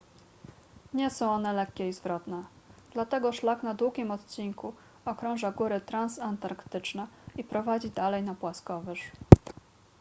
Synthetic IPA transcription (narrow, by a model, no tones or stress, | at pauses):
ɲɛsɔ̃w̃ɔnɛlɛkːʲɛizvɾɔt̪nɛ | d̪̥lat̪ɛɡɔʂlaknad̪wuɡʲimɔt̪t͡ɕiŋku | ɔkɾɔ̃w̃ʐaɡuɾɘt̪ɾansant̪aɾkt̪ɘt͡ʂnɛipɾɔvad͡ʑid̪alɛjnapwaskɔvɘʂ